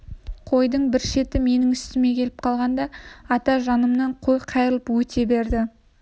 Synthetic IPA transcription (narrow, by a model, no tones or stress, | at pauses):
qʰo̞jd̪əɴbɪɾʃe̞t̪ɪme̞nɪŋʏst̪ɪme̞kʲʰe̞lɪp̚qʰɑlˠʁɑnd̪ɑɑt̪ɑʒɑnəmnɑɴqʰojqʰɑjɾəlˠəpwɵt̪ʰe̞be̞ɾd̪ɪ